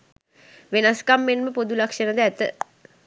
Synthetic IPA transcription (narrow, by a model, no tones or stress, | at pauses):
ʋenaskamːenməpod̪ulakʂənəd̪əæt̪ə̰